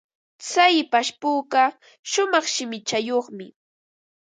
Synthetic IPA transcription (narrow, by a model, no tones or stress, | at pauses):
t͡sajpaʃpuːɢɑ | ʃʊmɑχʃɪmɪt͡ʃajoχmɪ